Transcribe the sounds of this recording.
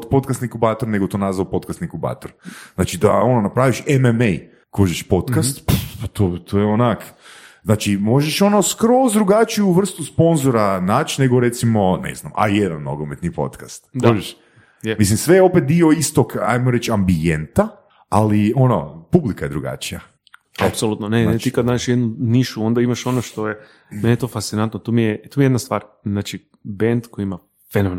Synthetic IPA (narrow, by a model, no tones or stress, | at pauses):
t̪po̞t̪kast̪niŋkubaːt̪oɾne̞ɡot̪oːnazʋapo̞t̪kast̪niŋkuba̰ːt̪oɾz̥nat͡ʃid̪a̰o̞nonapɾaːʋiʃememej | koʒeʃpo̞t̪kast̪ppat̪ot̪ʰojeonakznaːt͡ʃimo̞ʒeʃo̞noskɾozd̪ɾuɡat͡ʃijuuʋr̩st̪uspo̞nzoɾanat͡ʃne̞ɡoɾe̞t̪simo̞nḛzna̰ma̰jed̪a̰nno̰ɡomet̪nipo̞̰t̪kast̪koʒeʃ | jemislimsʋejeopet̪̚d̪ioist̪oka̰jmoɾet͡ʃambient̪a | aliono̰publikaje̞d̪ɾuɡa̰t͡ʃija̰ | apsolˠut̪nonenet̪ikad̪naːd͡ʒeʃjed̪nuniʃuo̞nd̪aimaʃo̞noʃt̪o̞je | menʲejet̪ofast̪sinant̪not̪omijet̪umijed̪nast̪ʋaːɾ | znaːt͡ʃi | bend̪koiima | fenomn